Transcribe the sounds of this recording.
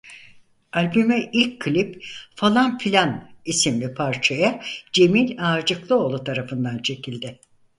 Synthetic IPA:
alʲbymɛʔilʲckʰːɯlʲipfalˠanfilʲanisimlʲipʰaɾt͡ʃʰajad͡ʒe̞milʲad͡ʒɯklˠɯo̞lˠut̪ʰaɾafɯnd̪ant͡ʃʰe̞cʰilʲd̪ɛ

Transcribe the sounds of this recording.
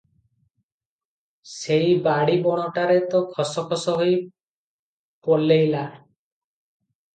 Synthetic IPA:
sejbaɽibɔɽ̃ɔʈaɾet̪ɔkʰɔsɔkʰɔsɔɦoj | pɔlejla

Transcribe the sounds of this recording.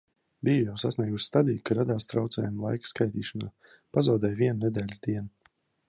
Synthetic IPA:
bijujawsasniɛɡusʲst̪ad̪iːkaɾad̪aːst̪ɾawt̪sɛ̰ːjumlˠajkskajt̪iːʃɔna̰ː | pazawd̪ɛjviɛnnɛd̪ɛːlʲd̪iɛn

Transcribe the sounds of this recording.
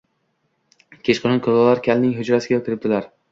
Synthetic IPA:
kʲʰet͡ʃqʰonɪnkʰolɒlaɾkʲʰalnɪŋɦʊd͡ʒɾasɪɡʲak̪ʰʲɪɾɪp̚t̪ʰɪlaɾ

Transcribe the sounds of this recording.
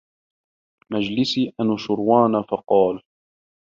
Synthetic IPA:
mad͡ʒlɪsiːʔanʃʊɾwɑːnafɑqɑːl

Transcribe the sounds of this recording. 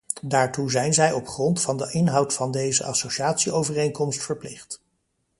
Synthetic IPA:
daːɹtuzɛjnzɛjɔpχrɔntfɑndəʔɪnɦɑwtfɑndejzə̰ʔɑ̰sowʃaːtsiowvərejŋkɔmstfəɹplɪχt

